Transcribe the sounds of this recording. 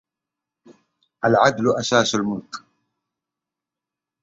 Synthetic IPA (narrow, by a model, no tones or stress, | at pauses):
ʔalʕad̪lʔaʃaːʃalmʊlk